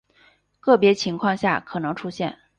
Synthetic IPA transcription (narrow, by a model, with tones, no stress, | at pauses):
kɤ˥˩pjɛ˧˥t͡ɕʰi˧˥ŋkʰwɑ˥˧ŋɕja̰˥˩kʰɤ˨˩nɤ˧˥ŋʈ͡ʂʰu˥ɕjɛ̰˥˩n